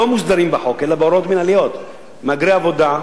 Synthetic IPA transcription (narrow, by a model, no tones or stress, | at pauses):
omusd̪aɾimbaħo̞kelabeoɾo̞t̪minalio̞t̪ | maɡɾeavo̞d̪a